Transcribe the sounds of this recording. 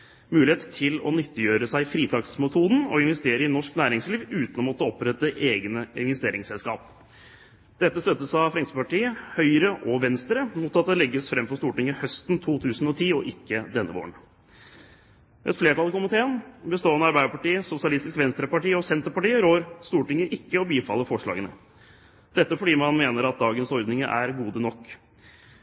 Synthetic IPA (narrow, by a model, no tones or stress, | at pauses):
mʉːlɪeːt̪t̪ʰɪlɔ̰nʏt̪ːəjøːɾəsæɪfɾiːt̪ʰɑksmɛt̪ʰuːd̪n̩ɔ̰ɪnʋɛst̪eːɾəɪnɔʂknæːɾɪŋsliːʋʉːt̪ənɔmɔt̪ːəɔpɾɛt̪ːəʔeːɡnəɪnʋɛst̪eːɾɪŋsɛlskɑ̰ːp | d̪̥ɛt̪ːəst̪œt̪ːəsɑfɾɛŋsəpɑʈiːəhœʏɾəʔɔʋɛnst̪ɾəmuːt̪ɑt̪̚d̪ɛlɛɡːəsfɾɛmfɔɾst̪uːʈɪŋːəhœst̪nt̪ʰuːt̪ʰʉːsn̩ɔt̪ʰiːɔʔɪkːəd̪ɛnːəʋo̰ːəɳ | ɛt̪fleːʈɑlkʊmɪt̪ʰeːənbəst̪oːɛnəɑɾbæɪəɾpɑʈiːəsʊsɪɑlɪst̪ɪskʋɛnst̪ɾəpɑʈiːəɔsɛnt̪əɾpɑʈiːəɾoːɾst̪uːʈɪŋəʔɪkːəɔbiːfɑlːəfɔʂɭɑ̰ːɡənə | d̪̥ɛt̪ːəfɔɖiːmɑnmeːnəɾɑt̪̚d̪ɑːɡənshɔɾd̪nɪŋəʔæ̰ɾɡuːd̪ənɔkː